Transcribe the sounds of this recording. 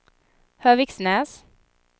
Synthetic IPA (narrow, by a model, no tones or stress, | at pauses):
høːʋɪksnɛːs